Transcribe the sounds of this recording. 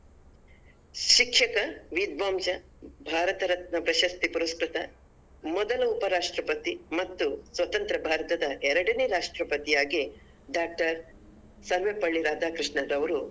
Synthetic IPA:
ʃikʂʃɐkɐʋid̪̚ʋɐːmt͡ʃɐ | bʱaːɾɐt̪ɐɾɐt̪̚nɐpɾɐʃɐst̪ipuɾɐskɾɪt̪ɐ | mɔd̪ɐlɐupɐɾaːʂʈɾɐpɐt̪imɐt̪ːusʋɐt̪ɐnt̪ɾɐbʱaːɾɐt̪ɐd̪ɐʔɛɾɐɽɐneɾaːʂʈɾɐpɐt̪ijaːɡi | ɖaːk̚ʈɐɾ | sɐɾʋepɐɭːiɾaːd̪ʱaːkɾɪʂɳɐd̪ɐʋɐɾu

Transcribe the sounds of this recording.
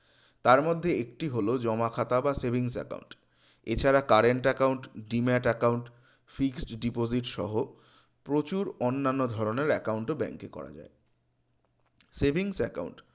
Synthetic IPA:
t̪aɾmod̪ʱːeek̚ʈiɦolod͡ʑɔmakʰat̪abasebʱiŋsɛ̰ka̰uɳʈ | et͡ɕʰaɾakaɾeɳʈɛkawɳʈɖimɛʈɛkawɳʈ | fiksʈɖipoziʈʃɔ̰ɦo | pɾot͡ɕuɾonːanːod̪ʱɔɾoneɾɛkawɳʈobɛ̰ŋkekɔ̰ɾa̰d͡ʑa̰e | sebʱiŋsɛka̰wɳʈ

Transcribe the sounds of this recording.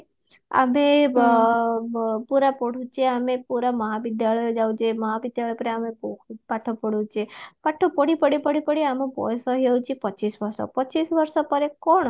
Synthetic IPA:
a̰me | puɾapəɽ̤ũt͡ʃʰieamepuɾaməɦaʋid̪jaɭɔjod͡ʒaʋũt͡ʃeməɦaʋid̪jaɭɔjpəɾeamebokʰpaʈʰopəɽũt͡ʃʰiepaʈʰopəɽipəɽipəɽipəɽiamõpɔ̰jsɔɦiẽt͡ʃʰiepət͡ʃisʋəɾʃɔ̰pət͡ʃisʋəɾʃɔpəɾekɔɳ

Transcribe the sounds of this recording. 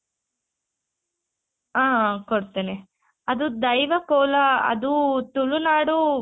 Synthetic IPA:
aːkoɽt̪ɐne | ɐd̪ud̪ɐjʋɐkoːlɐɐ̰d̪ut̪uɭunaːɽu

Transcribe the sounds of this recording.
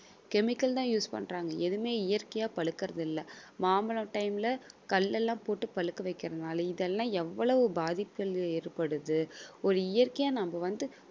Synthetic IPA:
kɛmɪkːɐlt̪ãːjuːspɐ̰ɳraːŋɡɐʔɛðɯmeːɪjɐɾkɐjaːpɐɭɯkːɪɾɐðɪlːɐmaːmbɐlɐ̃ʈɐɪmlɐkɐlːɛlːãːpoːʈːɯpɐɭɯkːɐʋɐɪkːɪɾɐðɯnaːlɐɪðɛlːãːɛʋːɐɭɐʋɯbaːðɪpːɐɭɛɾpɐɽɯðɯɔɾɯɪjɐɾkɐjaːnɐmbɐʋɐnd̪ɯ

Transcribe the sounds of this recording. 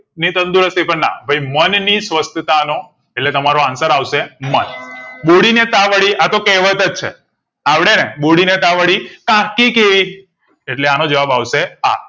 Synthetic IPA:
nit̪ənd̪uɾəst̪ʰipəɳna̰bʱajmənnisʋəst̪ʰət̪ano | eʈlet̪əmaɾoansəɾaʋʃemənɓoɽinet̪aʋəɽiʔat̪okeʋət̪ət͡ʃʰḛ | aʋɽ̃eneɓoɽinet̪aʋəɽikãkikeʋi | eʈleanod͡ʒəʋabaʋʃea̰

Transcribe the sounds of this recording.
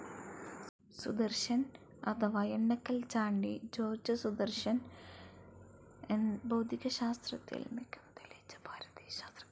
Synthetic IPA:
sṵd̪ɐrɕɐn | ɐt̪ʰɐʋaːjeɳːɐkːɐlt͡ɕaːɳɖid͡ʑo̞ːrd͡ʑɐsud̪ɐrɕɐn | enbɐwd̪ʱiɣɐɕaːst̪rɐt̪ːḭlmikʲːu̥mt̪ilɐt͡ɕːɐ̥pʰaːɾɐd̪ijɕaːst̪rɐ

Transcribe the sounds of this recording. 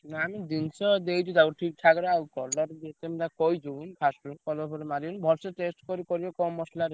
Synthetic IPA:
naamid̪insɔd̪ejd͡ʒ̪ud̪akɔʈʰik̚ʈʰaɡɔɾawkɔɾlɔɾd͡ʒet̪emd̪akɔjd͡ʒunpʰasʈukɔlɔbɔɾmaɾiunbʱɔɾseʈesʈkɔɾikɔɾibɔkɔmːɔslaɾ

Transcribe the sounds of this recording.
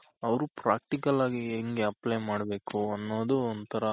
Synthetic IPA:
ɐʋɐɾupɾaːk̚ʈikɐlaːɡieŋɡeɐplejmaːɽɐbe̞ːkuɐnːoːd̪uond̪t̪ʰɐɾɐ

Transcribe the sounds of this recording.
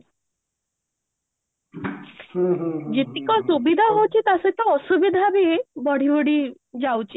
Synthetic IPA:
hũɦd͡ʑit̪ikɔsubid̪ʱaɦowt͡ɕit̪aset͡ɕaɔsubid̪ʱabʱibɔɽ̤iʋəɽi | d͡zawt͡ɕi

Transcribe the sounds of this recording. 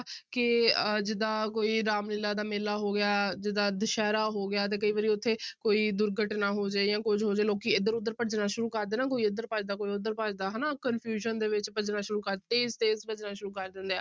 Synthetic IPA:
kɪd͡ʒɪd̪aːkoːiːɾaːmnɪlaːd̪aːmeːlaːɦoːɡɪjaːd͡ʒɪd̪aːd̪əʃɛːɾaːɦoːɡɪjaːt̪̬eːkəiːʋəːɾiːʊt̪ʰːeːkoːiːd̪ʊɾɡəʈnaːɦoːd͡ʒeːjãːkʊd͡ʒɦoːd͡ʒeːloːkiːɪd̪əɾʊd̪ːəɾpəʈd͡ʒnaːʃʊɾuːkəɾd̪eːnaːk̬oːiːɪd̪əɾpəd͡ʒd̪aːkoːiːʊd̪əɾpəd͡ʒd̪aːɦɛnaːkənpʰjuːʃənd̪eːʋɪt͡ʃpəd͡ʒnaːʃʊɾuːkəɾt̪eːst̪eːsbəd͡ʒnaːʃʊɾuːkəɾd̪ɪ̃nd̪eaː

